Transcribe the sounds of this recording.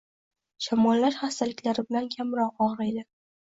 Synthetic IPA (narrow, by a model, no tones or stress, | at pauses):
ʃɒmɒlːaɾχast̪alɪkʲlaɾɪbɪlankʲʰamɾɒqɒʁɾajd̪ɪ